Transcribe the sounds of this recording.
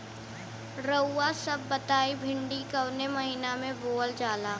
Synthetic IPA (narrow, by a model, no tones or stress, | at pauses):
ɾəːasɐbːɐt̪aːibʱɪ̃ɳɖikɐwnemɐɦiːnamẽboːld͡ʒaːlaː